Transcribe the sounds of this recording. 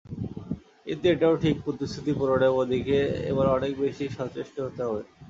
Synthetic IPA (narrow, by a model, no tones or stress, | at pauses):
ḭnt̪eeʈaoʈʰik̚pɾot̪ist̪ʰɾit̪ipɔɾoɽebod̪ʱikeḛβaɾɔnek̚beʃiʃɔt͡ɕeʃʈoɦot̪eɦɔbe